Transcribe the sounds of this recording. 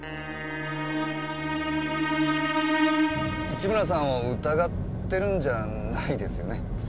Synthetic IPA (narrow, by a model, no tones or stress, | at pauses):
it͡ɕimɯɾas̬ãɰ̃βaɯt̪aɡat̪ːe̞ɾɯ̟̃ɲd͡ʑa | naid̪e̞sɨjo̞̰ne̞